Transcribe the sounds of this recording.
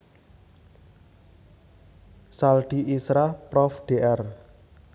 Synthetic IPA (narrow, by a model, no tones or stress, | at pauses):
salɖ̪̥iʔisɾahpɾɔfɖ̥eʔɛr